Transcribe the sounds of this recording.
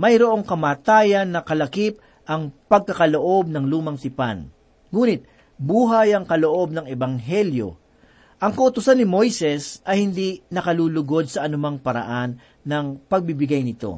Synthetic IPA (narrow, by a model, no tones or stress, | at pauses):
mɐjɾoʔo̞ŋkɐmaːt̪aːjɐnːɐkɐlɐkip̚ | ʔɐŋpɐɡ̚kɐkɐlo̞ʔo̞b̚nɐŋluːmɐŋt̪ɪpa̰n | ŋuːnɪt̪̚ | buːɦɐjɐŋkɐloʔo̞b̚nɐŋɛbɐŋɦɛljo̞̰ | ʔɐŋkɐʊt̪ʊsanːɪmo̞jsɛsʔɐjhɪnd̪inɐkɐluːlʊɡo̞d̪̚sɐʔɐnʊmaŋpɐɾɐ̰ʔanː | ɐŋpɐɡ̚bɪbɪɡajnɪt̪o̞̰